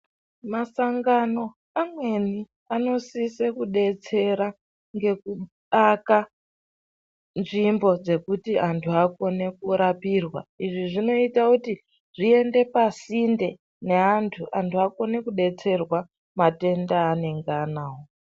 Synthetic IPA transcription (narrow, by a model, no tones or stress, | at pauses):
masaŋɡano̞ | amwe̞ni | ano̞sise̞kuɗe̞t͡se̞ɾa | ŋɡe̞ku | ɗaka | nʐimbo̞d͡ze̞kutiantʰuako̞ne̞kuɾapirwa̰iʐiʐino̞itakuti | ʐ̥ie̞nde̞pasinde̞ | ne̞ɦantʰuʔantʰuako̞ne̞kuɗe̞t͡se̞rwa | mate̞ndaːne̞ŋɡanaːwo